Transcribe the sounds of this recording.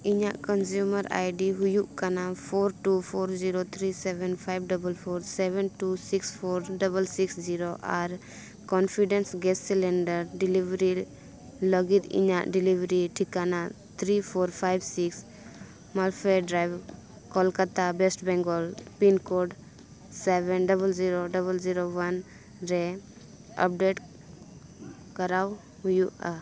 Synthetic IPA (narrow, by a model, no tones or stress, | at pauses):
iɲaʔkɔnd͡ʒjuməɾa̰jɖiɦujuʔkanapʰoɾʈupʰoɾd͡ʒiɾot̪ʰɾisɛbɛnpʰajbɖɔbəlpʰɔɾsɛbɛnʈusikspʰoɾɖɔbəlsiksd͡ʒiɾoʔaɾ | kɔnpʰiɖɛnsɡɛssilɛnɖəɾɖilibɾi | ləɡit̪ḭɲaʔɖilibɾiʈʰikana | t̪ʰɾipʰoɾpʰajbsiks | malfʰeɖɾajw | kɔlkat̪abesʈbɛ̃ŋɡɔlpinkoɖ | sebɛnɖəβəld͡ʒiɾoɖəβəld͡ʒiɾowan | ɾe | ə̰p̚ɖeʈ | kəɾaw | jua